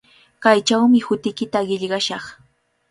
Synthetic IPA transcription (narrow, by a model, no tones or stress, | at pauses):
kajt͡ʃawmɪhʊt̪ɪkɪt̪aɢɪʎɢɑʃɑχ